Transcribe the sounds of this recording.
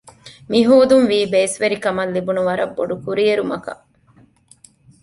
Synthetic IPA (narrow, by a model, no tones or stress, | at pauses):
miɦuːd̪unʋiːbeːsʋeɾikɐmɐlːibunuʋɐɾɐbːo̰ɖukuɾieɾumɐkɐ̰